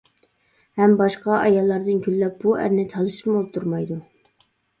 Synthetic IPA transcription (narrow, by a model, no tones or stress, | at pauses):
hɛmbɑʃqɑʔɑjɑlˠːɑɾd̪ɨnkʲʰylːɛp̚b̥uæ̰ɾnɪt̪ʰɑlˠɨʃɨ̥mbolˠɨp̚t̪ʰuɾmɑjd̪u